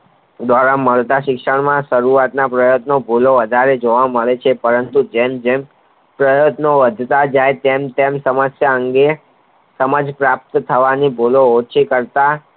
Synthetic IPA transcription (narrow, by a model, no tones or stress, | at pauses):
d̪ʋaɾaməɭt̪aʃɪkʃəɽmãʃəɾuat̪napɾəjət̪nobʱuloʋəd̪ʱaɾed͡ʒoʋaməɭet͡ʃʰepəɾənt̪ud͡ʒemd͡ʒem | pɾəjət̪noʋəd̪ʱt̪ad͡ʒajt̪emt̪emsəməsjaəŋɡe | səməd͡ʒpɾap̚t̪t̪ʰəʋanibʱuloot͡ʃʰikəɾt̪a